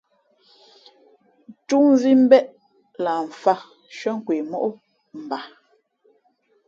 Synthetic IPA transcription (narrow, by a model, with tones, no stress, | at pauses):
ntu˦n˦zi˦m̩˦bɛ˦ʔ | la˨ɱ̩˨fa˦˨ | ʃə˦ŋ̩˦kwi˨mɔ˦ʔu˦ | m̩˨ba˨